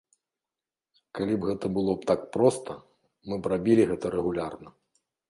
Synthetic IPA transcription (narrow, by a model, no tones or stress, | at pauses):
kalʲibɣɛt̪ɐbɨlˠɔp̚t̪ak̚pɾɔst̪ʰɐ | mɨbrabʲilʲiɣɛt̪ɐɾɛɣulʲarnɐ